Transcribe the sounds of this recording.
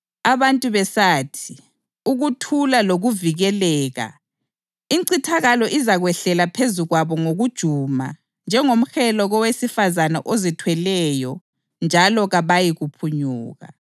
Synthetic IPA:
aβantʼuβɛsaːtʰi | uɣutʰulaloɣuviɣɛlɛːɣa̰ | iǀitʰaɣalɔʔizaɣwɛɬɛlapʰezuɣwaβɔŋoɣud̥ʒ̥ʱuma̰ | nd͡ʒʱɛŋom̩xɛlɔɣɔwesifazanaʔozitʰwɛlɛjɔ | nd͡ʒʱalɔɣaβajiɣupʰuɲuːɣa̰

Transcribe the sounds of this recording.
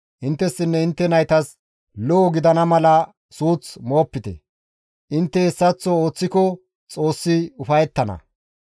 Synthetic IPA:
ʔɪnt̪ːɛsːɪnːɛɪnt̪ːɛnɐjt̪ɐs | lɔɔɡɪd̪ɐnɐmɐlɐ | suːt͡smo̞ːpːɪt̪ɛ̰ | ʔɪnt̪ːɛɛsːɐt͡sːɔoːt͡sːɪkɔ | t͡sʼo̞ːsːɪʊfɐjɛt̪ːɐnɐ̰

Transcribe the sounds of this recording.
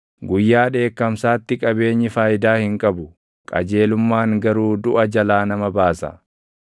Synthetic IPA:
ɡʊjːaːᶑe̞ːkːɐmsaːt̪ːɪkʼɐbe̞ːɲːɪfaːjɪd̪aːhɪŋkʼɐbʊ | kʼɐ̰d͡ʒe̞ːlʊmːaːŋɡɐɾuːd̪ʊʔɐd͡ʒɐlaːnɐmɐbaːsɐ̰

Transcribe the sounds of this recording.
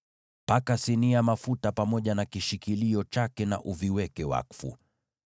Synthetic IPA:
pakasiniamafutapamɔʄanakiʃikiliɔt͡ʃakɛna̰ʔuviwɛkɛwa̰kfṵ

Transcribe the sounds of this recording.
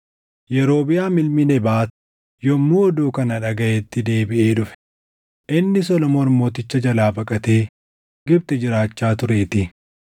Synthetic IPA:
jɛɾo̞ːbɪjaːmɪlmɪnɛbaːt̪ | jɔmːuːɔd̪uːkɐnɐᶑɐɡɐjɛt̪ːɪd̪e̞ːbɪʔeːᶑʊfɛ̥ | ʔɪnːɪs̬ɔlɔmoɾmo̞ːt̪ɪt͡ʃːɐd͡ʒɐlaːbɐkʼɐt̪eː | ɡɪb̚t̪ɛd͡ʒɪɾaːt͡ʃːaːt̪ʊɾe̞ːt̪ɪ

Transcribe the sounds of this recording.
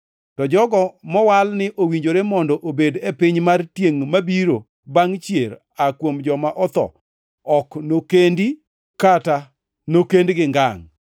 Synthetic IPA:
tɔd͡ʒɔɡɔmɔwalnɪʔowiɲd͡ʒoɾemɔndɔʔobedepɪɲmartjeŋmabiɾo | baŋt͡ʃjeɾ | akwomd͡ʒɔmaʔɔt̪ɔ̰ | ɔknokendi | kata | nokendɡɪŋɡaŋ

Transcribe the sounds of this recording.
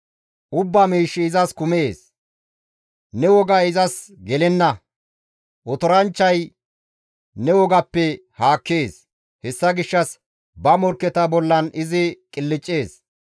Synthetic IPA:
ʔʊbːamiːʃːɪːzɐskʊme̞ːs | nɛwɔɡɐɪzɐsɡɛlɛnːɐ | ʔɔt̪ɔɾɐnt͡ʃːɐj | nɛwɔɡɐpːɛ | haːkːeːs | hɛsːɐɡɪʃːɐs | bɐmɔɾkːɛt̪ɐbɔlːɐnɪzɪkʼɪlːɪt͡ʃʼːe̞ːs

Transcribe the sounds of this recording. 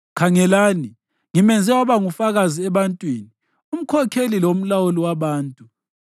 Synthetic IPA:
kʰaŋɛlaːni | ŋimɛnd͡zʱɛwaβaŋufaɣaziɛβantʼwiːni | um̩kʰɔkʰelilom̩lawuliwaβaːntʼu

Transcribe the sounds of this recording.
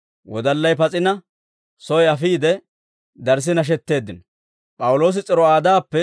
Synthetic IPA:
wɔd̪ɐlːɐjpɐt͡sʼɪnɐ | sɔjɐfiːd̪ɛ | d̪ɐɾs̬ɪnɐʃ̬ɛt̪ːe̞ːd̪ːɪnɐ | pʼɐwʊlo̞ːs̬ɪt͡sʼɪɾɔaːd̪aːpːɛ

